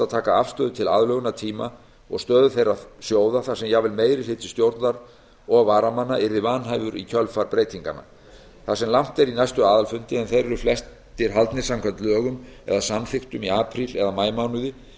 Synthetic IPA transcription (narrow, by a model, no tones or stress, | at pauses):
aðt̪ʰaːkaafst̪œːðʏt̪ʰɪla̰ːðlœɣʏnat̪ʰiːma | ɔ̰ɣst̪œːðʏθejɾaðsjoːwðaθasɛmjajvɪlmeːjɾɪhɪt̪ɪ̥st̪jowɾt̪naɾ | ɔɣvaːɾamanːaʔɪɾðɪvanɦajvʏɾicʰœlfaɾpɾeːjt̪iŋka̰na̰ | θasɛmlam̥t̪ɛɾinajst̪ʏaːðalfʏnt̪ɪɛnθejɾɛɾʏflɛs | t̪ɪɾ̥ɦalt̪nɪsamkʰant̪lœːɣʏmɛ̰ðasamθɪxt̪ʏmiaːpʰɾilɛðamaːjmawnʏðɪ